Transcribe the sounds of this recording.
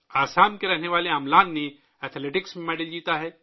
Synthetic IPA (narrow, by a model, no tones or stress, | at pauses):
aːsaːnkeɾɛɦneʋaːleamlaːnːe | ɛːt̪ʰleːʈɪksmẽmɛːɖəld͡ʒiːt̪aɦɛː